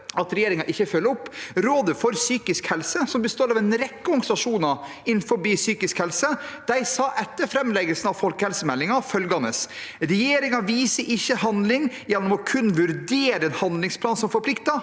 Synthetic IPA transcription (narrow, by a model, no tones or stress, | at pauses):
ɑt̪ɾɛjeːɾɪŋɑʔɪçːəfœlːəɔpːɾoːd̪əfɔɾsyːkɪskhɛlsəsɔmbəst̪oːɾɑʋɛnɾɛkːəʊŋsɑʂuːnɑ | ɪnfɔɾbiːsyːkɪskhɛlsəd̪̥æɪsɑːʔɛt̪ːəɾfɾɛmlɛɡəlsənɑʋfɔlkəhɛlsəmɛlːɪŋɑfœlɡɑnəsɾɛjeːɾɪŋɑʋiːsəʔɪçːəhɑnd̪lɪŋ | jɛnːɔmɔkʰʉnːʋʉɾd̪eːɾəeːnhɑnd̪lɪŋspʰlɑːnsɔmfɔɾpʰlɪkt̪ɑ